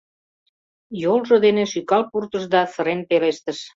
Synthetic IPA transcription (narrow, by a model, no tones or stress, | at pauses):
jolʒod̪eneʃykɑlpurt̪əʃd̪ɑsə̆ɾenpeleʃt̪ə̆ʃ